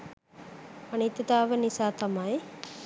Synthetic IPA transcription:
anit̪ːəd̪aːʋənisaːt̪amaj

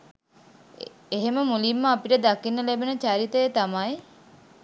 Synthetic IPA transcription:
eɦeməmulimːəapiʈəd̪akinːəlebənət͡ʃaɾit̪əjet̪amaj

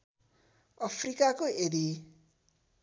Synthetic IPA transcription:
ʌpʰrikakoedi

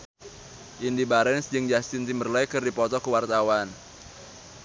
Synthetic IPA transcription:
ʔindibaɾɛnsd͡ʒɨŋd͡ʒast̪ɪnt̪imərlajkɨrdipɔt̪ɔkəwart̪awan

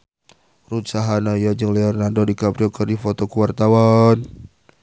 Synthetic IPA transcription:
rut̪̚saɦanajad͡ʒəŋlɛɔrnardodikapɾiɔkərdifot̪ɔkuwart̪awan

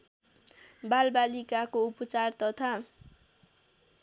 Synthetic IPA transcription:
balbalikakoupʌt͡sart̪ʌt̪ʰa

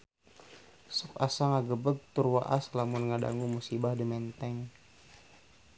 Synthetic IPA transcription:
sɔk̚asaŋaɡəbəɡ̚t̪urwa̰ʔaslamʊnŋada̰ŋɡumusibahdəmɛnt̪ɛŋ

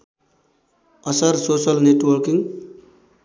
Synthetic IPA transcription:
ʌsʌɾsosʌlneʈwʌɾkiŋ

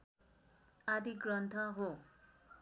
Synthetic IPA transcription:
ad̪iɡrʌnt̪ʰʌɦo

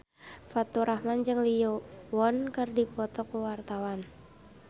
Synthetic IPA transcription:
fat̪uɾʔahmand͡ʒɨŋlijɔwɔnkərdipɔt̪ɔkuwart̪awan

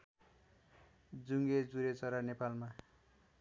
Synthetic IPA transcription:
d͡zuŋɡed͡zuɾet͡sʌɾanepalma

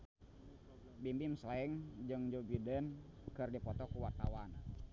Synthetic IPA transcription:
bimbimslaɛŋd͡ʒɨŋd͡ʒobidənkɨrdipɔt̪ɔkuwat̪a̰wan

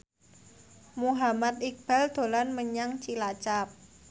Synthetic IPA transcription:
muɦamat̪̚ik̚b̥ald̪̥o̤lanməɲaŋt͡ʃilat͡ʃap̚

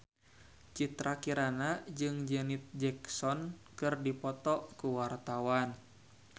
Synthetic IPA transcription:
t͡ʃit̪ɾakiɾanad͡ʒɨŋd͡ʒɛnit̪̚d͡ʒɛksɔnkɨrdipɔt̪ɔkuwart̪awan

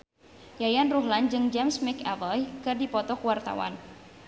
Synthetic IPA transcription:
jajanruɦland͡ʒɨŋd͡ʒamsmɛkavɔjkɨrdipɔt̪ɔkuwart̪a̰wa̰n

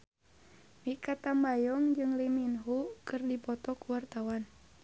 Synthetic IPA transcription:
mikat̪ambajɔŋd͡ʒɨŋliminɦukɨrdipɔt̪ɔkuwart̪awan

